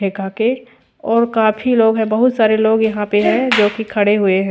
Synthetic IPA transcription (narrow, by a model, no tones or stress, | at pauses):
eːkake | ɔːɾkaːpʰiloːɡɦɛ̃bɐɦʊt̪saːɾeloːɡjɐɦãpeɦɛ̃d͡ʒoːkikʰɐɽeɦʊeɦɛ̃